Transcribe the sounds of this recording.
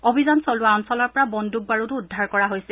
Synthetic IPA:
obʱizansɔlʊwaɔnsɔlɔɹpɔɹabɔndʱuɡ̚baɹutuːdʱːaɹkɔɹaɦojsɛ

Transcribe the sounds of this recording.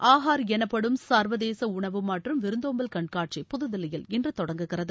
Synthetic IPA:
ʔaːɦaːɾɛnɐpːɐɽɯmsaːɾʋɐðeːsɐʊɳɐʋɯmːɐʈrɯmʋɪɾɯnd̪oːmbɐlkɐɳkaːʈ̚ʂipʊðɯðɪlɐjɪlɪndrɯt̪ɔɽɐŋɡɯɣɪrɐðɯ

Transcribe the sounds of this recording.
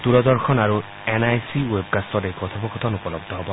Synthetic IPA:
t̪uɹɔd̪ɔɹxʰɔnaɹu | enajsiweb̚kastɔtejkɔt̪ʰabɔkɔt̪ʰɔnupɔlɔɡ̚d̪ʱɔɦɔbɔ

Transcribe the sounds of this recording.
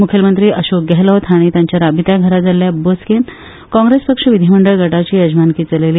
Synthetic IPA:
mukʰjəlmənt̪ɾiːʔəɕok̚ɡɛɦləʋt̪ʰaɽ̃it̪jaɲt͡ɕjaɾabʱit̪jaɡʱəɾad͡zaljabosken | kɔ̃ŋɡɾespəkʂəʋid̪ʱiməɳɖəɭɡʱəʈat͡ɕiːəd͡ʑmankiːt͡səleliː

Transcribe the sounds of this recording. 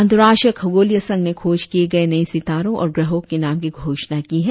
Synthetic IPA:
ɐnd̪ɾaːʃəkʰɐɡoːlijəsɐ̃ŋɡnekʰoːd͡ʒkieɡɐenɐisɪt̪aːɾõʔɔ̰ːɾɡɾɐɦõkːenaːmkiɡʱoːʃnakiɦɛː

